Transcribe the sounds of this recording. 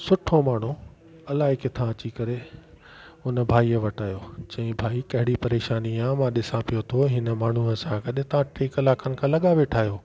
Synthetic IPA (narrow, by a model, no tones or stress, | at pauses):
sʊʈʰomaːɳ̤u | ɐlaːɦɪkɪt̪ʰãɐt͡ɕikɐɾe | ʊnə̆bʱaːiʋɐʈaːjot͡ɕɐ̃ĩbʱaːikɐɦɪɽipɐɾeːʃaːniaːmãɗɪsãpijot̪ʰoɦɪnəmaːɳ̤uəsãkɐɗet̪ɐʋãʈeːkɐlaːkʰənɪ̆kʰãːlɐɠaʋeːʈʰaːɦijoː